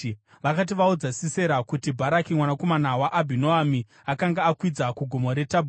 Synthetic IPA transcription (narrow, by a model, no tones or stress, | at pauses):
ʋakat̬iʋaud͡zasise̞ɾakutibʱaɾakimwanako̞manawaʔːbʱinoami | akaŋɡaːkwid͡zakuɡʱomoɾe̞tabʱu